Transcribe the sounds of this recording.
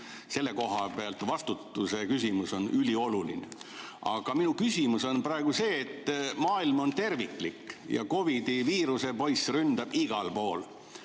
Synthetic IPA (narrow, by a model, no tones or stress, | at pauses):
se̞lːe̞ko̞ɦɑpeɑlt̪vɑst̪ut̪ˑːuse̞kysimuso̞nʔylʲio̞luline | ʔɑ̰ɡ̥ɑminukysʲimuso̞npɾɑeɡ̥use̞ːt̪ːmɑːilmo̞nt̪e̞rvikˑlikːjɑ̰ko̞vid̪iviːɾuse̞po̞jsrynd̪̥ɑb̥iɡ̥ɑlpo̞ːl